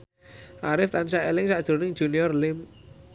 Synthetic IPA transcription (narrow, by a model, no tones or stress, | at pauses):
ʔaɾɪft̪ansaʔelɪŋsaʔd̥ʒ̥o̤nɪŋd̥ʒ̥ṳniɔrlɪm